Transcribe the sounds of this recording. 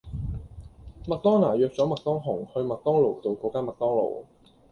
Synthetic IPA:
mɐ˨k̚t̪ɔː˥ŋnaː˨˩jœː˨k̚t͡sɔː˨˥mɐ˨k̚t̪ɔː˥ŋɦʊ˨˩ŋhɵ˧ɥmɐ˨k̚t̪ɔː˥ŋlo˨˩wt̪o˨wkɔː˧˥kaː˥mɐ˨k̚t̪ɔː˥ŋlo̰˨˩w

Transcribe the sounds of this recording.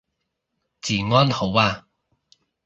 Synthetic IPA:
t͡siː˨˩ŋɔː˥nho˨˥waː˧˨

